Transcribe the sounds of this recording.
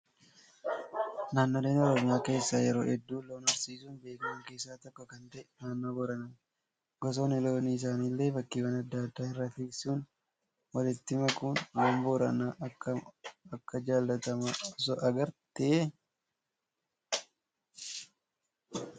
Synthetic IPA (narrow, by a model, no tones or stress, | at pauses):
naːnːoːleːnɔɾɔmɪjaːke̞ːsːaːjɛɾoːʔɛd̪ːuːloːnɐɾsiːsuːnbe̞ːkɐmɐŋke̞ːsːaːt̪ɔkːɔkɐnt̪ɛʔnaːnːoːbɔɾɐnɐ | ɡɔs̬oːnɪloːniːɪs̬aːniːlːe̞ːbɐkːiːwɐnɐd̪ːaːɐd̪ːaːɪrːɐt̪iːsuːn | wɐlɛt̪ːɪmɐkʊnloːmbɔɾɐ̰naɐɐkːɐd͡ʒaːlːɐt̪ɐmɐɔsɔʔɐɡɐɾt̪ɪɛ